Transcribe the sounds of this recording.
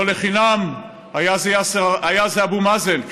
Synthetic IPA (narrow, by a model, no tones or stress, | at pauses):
leχinam | ajazeaseajazeabumazen